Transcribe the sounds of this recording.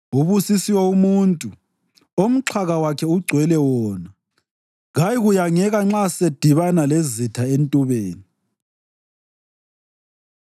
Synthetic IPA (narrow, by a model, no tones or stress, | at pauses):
uβusisiwɛumuːntʼu | om̩ǁʰaɣawakʰɛuɡ͡ǀʱwɛlɛwɔːna | ɣajiɣujaŋɛɣaŋ͡ǁased̥ʱiβanalezitʰaentʼuβeːni